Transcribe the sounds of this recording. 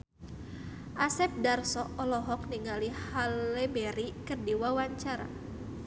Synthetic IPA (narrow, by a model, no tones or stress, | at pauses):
ʔasɛp̚darsɔʔɔlɔɦɔk̚niŋalihalːɛbɛɾikərdiwawaɲt͡ʃaɾa̰